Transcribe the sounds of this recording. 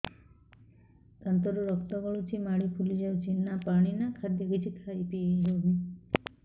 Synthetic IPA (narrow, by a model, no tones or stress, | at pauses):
t̪ənt̪ɔɾuɾɔkt̪ɔɡɔɭut͡ʃʰimaɽikʰulid͡ʒaut͡ʃʰinapaɽ̃inakʰad̪jəɡit͡ʃʰikʰaipiɦoɦi